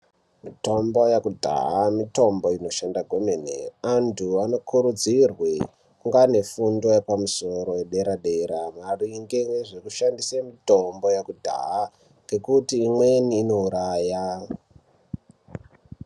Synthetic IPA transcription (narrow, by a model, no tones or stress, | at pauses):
mito̞mbo̞jakudʱa̰ɦamito̞mbo̞ino̞ʃandaɡʱomenḛantʰuano̞kʰuɾud͡zirwi | kuŋɡane̞fundojepamuso̞ɾo̞weɗe̞ɾaɗeɾamariŋɡeweʐekuʃandisemito̞mbo̞jakudʱa̰ɦa | ŋɡe̞kutiːmweniːnouɾaːja